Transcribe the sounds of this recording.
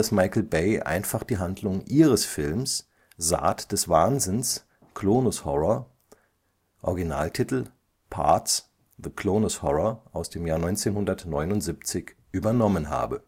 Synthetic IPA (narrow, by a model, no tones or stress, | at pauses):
asmaɪkl̩beɪʔa̰ɪnfaχd̥iːɦandlʊŋʔiːʁ̞əsfɪlms | z̥a̰ːtd̥ɛsv̥aːnzɪns | kloːnʊshɔʁɐ | ʔɔ̰ɐɡinaːltʰitl̩ | pʰa̰ɐts | ðəkʰloːnʊshɔʁɔʔaʊsd̥eːmjaːɐnɔʏnt͡seːnhʊndɐtnɔʏnʊntz̥ipt͡sɪçʔyːbɐnɔmənɦa̰ːbə